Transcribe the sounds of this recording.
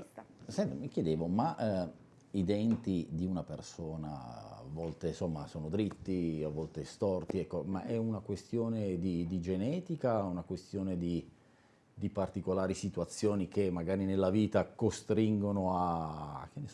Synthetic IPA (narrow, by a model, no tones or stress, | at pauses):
sɛnt̪amik̟jed̪eːvoma | id̪ɛnt̪id̪iunapersoːna̰a̰vːɔlt̪esomːa̰soːnod̪ɾit̪ːiavːɔlt̪est̪ɔrt̪iɛkːoma̰ʔɛunakwest̪joːned̪id̪id͡ʒenɛːt̪ikaunakwest̪joːned̪i | d̪ipart̪ikolaːɾisit̪uat̪sːjoːnik̟emːaɡaːɾinelːaviːt̪akost̪ɾiŋɡonoa̰k̟ːenːe